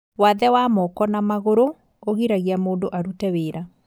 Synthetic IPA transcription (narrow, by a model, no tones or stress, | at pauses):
waðɛwamɔkɔnamaɣoɾo | oɣiɾaɣiamoːndoʔaɾutɛweɾa